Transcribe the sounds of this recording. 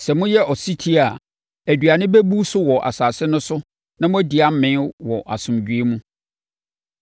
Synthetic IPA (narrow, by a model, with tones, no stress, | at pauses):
sɛ˨mʊ̃˦jɛ˦ʔɔ˨si˦tʰi˦a˨ | æ˨dɥa˨nɪ̃˦be˦bu˦sʊ˦wɔ˨ʔa̰˨saː˨sɪ˦nʊ̃˦sʊ˦ | nã˦mʊ̃˦di˨a˦m̩˦mɪ̃˦wɔ˨ʔa˨sʊ̃˨md͡ʑᶣɥe˦mũ˦